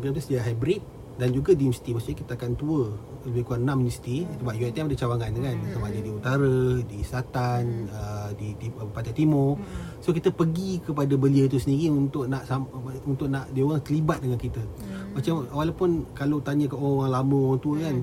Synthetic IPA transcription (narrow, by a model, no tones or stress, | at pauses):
kamt̪usədiaʔɦajbɾit̪̚ | dand͡ʒuɡadiɛmsi̥t̪imasuɲakit̪əakant̪uə | ləbɪhkuanãmisi̥t̪isəbaʔjuɛt̪ɛmadət͡ʃawaŋanŋansamaʔɲadiut̪aɾədisat̪anədiipat̪ajt̪imɔsokit̪əpəɡikəpadabəliəit̪usəniɾiunt̪ʊʔ̚naʔsaunt̪ʊʔnaʔdioɾaŋt̪əlibat̪̚dəŋankit̪əmat͡ʃamawalapʊnkalot̪aɲə̃kəʔooaŋlamõaŋt̪uəkan